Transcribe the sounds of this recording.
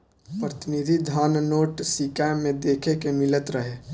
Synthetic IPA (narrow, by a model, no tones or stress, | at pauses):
pɾət̪ɪnid̪ʱid̪ʱaːnnoːʈsikamẽd̪eːkʰekemɪlət̪ɾəɦe